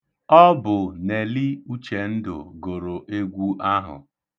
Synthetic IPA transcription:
ɔ˦bʊ˨ne˨li˦u˦t͡ʃe˨n̩˦dʊ̰˨ɡo˨ɾo˨ʔe˦ɡʷu˦ʔa˦ɦʊ̰˨

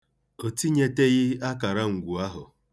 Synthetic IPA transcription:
o˨ti˦ɲe˦te˦ɣɪ˦a˦ka˨ɾa˦ŋ̩˨ɡʷu˨a˦ɦʊ˨

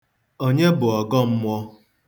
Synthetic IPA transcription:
o˦ɲe˦bʊ˨ɔ˨ɡɔ˦m̩˦mʷ˦ɔ˦

